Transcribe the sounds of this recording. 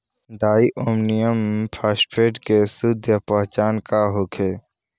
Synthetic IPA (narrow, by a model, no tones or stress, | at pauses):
ɖaːiʔoːmnijəmpʰaːspeːʈkesʊd̪ʱjəpəɦt͡ʃaːnkaɦoːkʰeː